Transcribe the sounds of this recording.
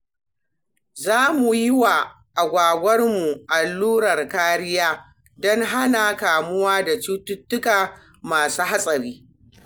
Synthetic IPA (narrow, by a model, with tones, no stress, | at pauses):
zaː˦mu˨jɪ˦wa˨ | ʔa˨ɡʷaː˨ɡʷɐ˦rmu˨ʔa˨lːuː˦ɽɐ˨rkaː˦ɾɪ˦jaː˦ | dɔ˦ŋɦa˦na˨kaː˨mʊ˦waː˦da˨t͡ʃu˦tʊ˦tːʊ˦kaː˨ | maː˨suː˦ɦa˦sʼɐ˨ɾiː˦